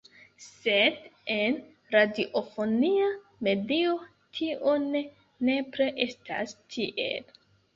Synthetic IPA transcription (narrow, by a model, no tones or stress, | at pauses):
se̞de̞n | ɾadiʔofo̞nia | me̞dio̞ | tʰiʔone | ne̞pɾeʔestʰa̰stʰiʔḛl